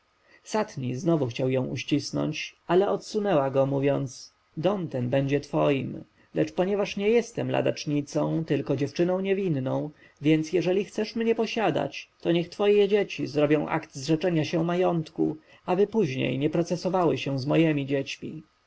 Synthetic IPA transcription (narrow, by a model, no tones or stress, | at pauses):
sat̪ɲiznɔvuxt͡ɕawjɔ̃w̃ʔuɕt͡ɕisnɔ̰ɲt͡ɕalɛʔɔt̪sunɛwaɡɔmuvʲjɔnt̪s | d̪ɔmt̪ɛnbɛɲd͡ʑɛt̪fɔjim | lɛt͡ʂpɔɲɛvaʂɲɛjɛst̪ɛmla̰d̪a̰t͡ʂɲit̪sɔ̃w̃t̪ɘlkɔd͡ʑɛft͡ʂɘnɔ̃w̃ɲɛvʲinːɔ̃w̃ | vʲjɛnt̪sjɛʐɛlʲixt̪sɛʂmɲɛpɔɕad̪a̰t͡ɕt̪ɔɲɛxt̪fɔjɛd͡ʑet͡ɕizɾɔbʲjɔ̃w̃ʔa̰kt̪zʐɛt͡ʂɛɲaɕɛmajɔnt̪kṵ | abɘpuʑɲḛjɲɛpɾɔt̪sɛsɔvawɘɕɛ̃zmɔjɛmʲid͡ʑɛt͡ɕmʲi